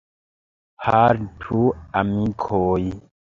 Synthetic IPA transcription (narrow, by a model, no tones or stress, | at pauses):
haɾtʰuamikʰoj